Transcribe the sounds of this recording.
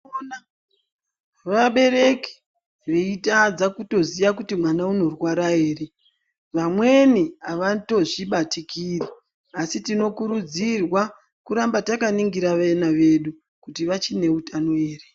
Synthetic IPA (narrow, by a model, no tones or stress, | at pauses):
na | ʋaɓe̞ɾe̞ki̥ | ʋeitad͡zakuto̞zijakutimwanauno̞rwaɾaeːre̞ | ʋamwe̞niaʋato̞ʐiɓatikiri | asitino̞kuɾud͡zirwa | kuɾambatakaniŋɡiɾaʋenaʋe̞ɗu | kutiʋat͡ʃine̞utʰanoe̞ːre